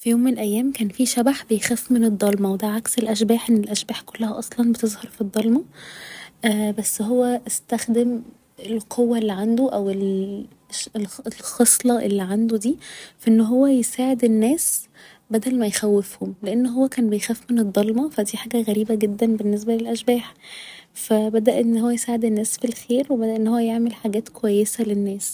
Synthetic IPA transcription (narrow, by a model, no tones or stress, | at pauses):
fijoːmːenlʔæjːæːmkæːnfiʃæbaħbejxæːfmened̪ˤːɑlmɑwed̪æʕakselʔæʃbæːħʔenːelʔæʃbæːħkolːæhæʔɑsˤlɑnbet̪ezˤhɑɾˤfid̪ˤːɑlmɑ | ʔːbæsːɦowːæest̪æxd̪em | elqʰowːæʔelːiʕand̪oʔæwel | ʃelelxɑsˤlɑʔḛlːiːʕand̪od̪iːfæʔenːɦowːæjesaːʕed̪enːæːs | bæd̪ælmæjxæwːefhomleʔenːɦowːækæːnbejxæːfmened̪ˤːɑlmɑfæd̪iːħaːɡæɣæɾiːbæɡed̪ːænbenːes̬bælelʔæʃbæːħ | fæbæd̪æʔenːhowːæjesaːʕed̪enːæːsfilxeːɾwebæd̪æʔenːhowːæjeʕmelħaɡæːt̪kowæjːesælenːæːs